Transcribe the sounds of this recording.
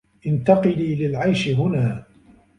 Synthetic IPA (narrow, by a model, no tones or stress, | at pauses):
ʔɪnt̪ɑqɨliːlɪlʕajʃɪɦʊnaː